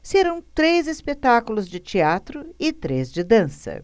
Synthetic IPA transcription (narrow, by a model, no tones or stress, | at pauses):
seɾɐ̃w̃t̪ɾezespet̪akulʊzd͡ʒɪt͡ʃiat̪ɾʊɪt̪ɾḛzd͡ʒɪd̪ɐ̃sɐ̰